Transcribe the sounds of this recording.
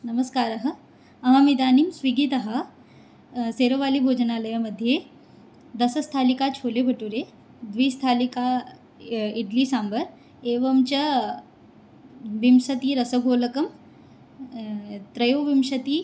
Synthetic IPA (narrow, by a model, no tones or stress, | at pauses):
nəməskaːɾɐɦə | ɐɦamid̪aːniːmsʋiɡiːt̪ɐɦə | seɾəʋaliːbʱoːd͡ʑnaləjəməd̪ʱːje | d̪ɐsəst̪ʰalikat͡ɕʰoːlebʱəʈuɾe | d̪ʋiːst̪ʰalika | iʈliːsambəɾ | eʋəmt͡ɕə | ʋimsɐt̪iːɾəsəɡʱoləkəm | t̪ɾɐjoʋimɕɐt̪iː